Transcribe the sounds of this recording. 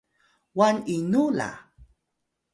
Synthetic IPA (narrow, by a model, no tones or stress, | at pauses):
waninula̰